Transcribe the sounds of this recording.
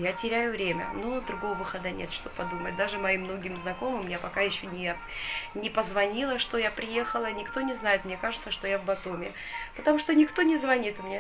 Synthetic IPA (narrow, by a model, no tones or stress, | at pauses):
jatʲɪɾʲæjʊvɾʲemʲə̰nud̪ɾʊɡo̞vəvɨxɐd̪ənʲḛt̪ʂt̪o̞pːɐd̪umət̚ʲd̪aʐɨmɐimːno̞ɡʲɪmznɐko̞mɨmjapɐkajɪɕːonʲɪ | nʲɪpəzvɐnʲilˠəʂt̪ojapɾʲɪje̞xəlˠənʲɪkt̪o̞nʲɪznajɪt̪mnʲe̞kaʐɨt̪səʂt̪o̞javbɐt̪omʲɪ | pət̪ɐmuʂt̪onʲɪkt̪o̞nʲɪzvɐnʲit̪mnʲe